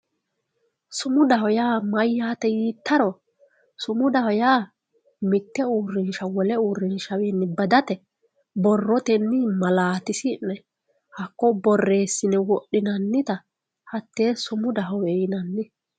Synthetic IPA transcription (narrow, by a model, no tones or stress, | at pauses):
sʊmʊd̪ɐhɔjaːmɐjːaːt̪ɛjiːt̪ːɐɾɔ | sʊmʊd̪ɐhɔjaː | mɪt̪ːɛuːrːɪnʃɐwɔlɛuːɾːɪnʃɐweːnːɪbɐd̪ɐt̪ɛ | bɔrːɔt̪ɛnːɪmɐlaːt̪ɪsɪnːɛ | hɐkːɔbɔrːeːsːɪnɛwɔʔːɪnɐnːɪt̪ɐ | hɐt̪ːeːsʊmʊd̪ɐɦɔwɛjɪnɐnːɪ